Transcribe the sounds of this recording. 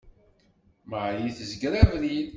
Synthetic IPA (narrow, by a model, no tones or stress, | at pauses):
məʕjiθəzɡɾævli